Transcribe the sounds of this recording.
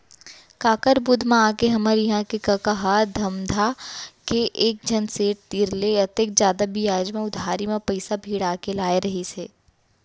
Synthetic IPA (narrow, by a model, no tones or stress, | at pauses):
kaːkəɾbʊd̪ʱmãaːkeɦɐməɾjɐɦãkekɐkɐɦad̪ʱɐmd̪ʱakeʔeːk̚d͡ʒʱɐnseːʈ̚t̪iːɾleɐt̪ek̚d͡ʒjaːd̪abʱijaːd͡ʒmẽʊd̪ʱaːɾimẽpɐɪsabʱiːɽaːkelaːeɾɐɦiseː